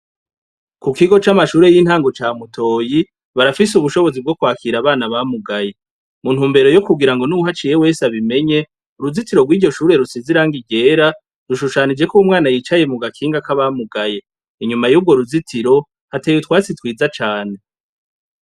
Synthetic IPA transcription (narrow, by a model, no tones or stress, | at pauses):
kukiɡo̞t͡ʃamaʃuːɾe̞jiːn̥haːŋɡo̞t͡ʃaːmutʰo̞ːji | βaɾafis̬uβuʃo̞βo̞zib̚ɡo̞kwaːkʰiɾaβaːnaβamuɡaje̞ | mun̥huːmbe̞ɾo̞jokuɡiɾaŋɡo̞nuuɦat͡ʃije̞we̞ːsaβime̞ɲe̞ | uɾuzitiɾo̞ɡwiːɟɟo̞ʃuːɾe̞ɾusiziɾaːŋɡiɡe̞ːɾa | ɾuʃuʃanid͡ʒe̞kuumŋaːnajiːt͡ʃaje̞muɡakʰiːŋɡakaβamuɡaje̞ | iɲumajuːb̚ɡo̞ɾuzitiɾo̞ | hateːjutwaːt͡sitwiːzat͡ʃaːne̞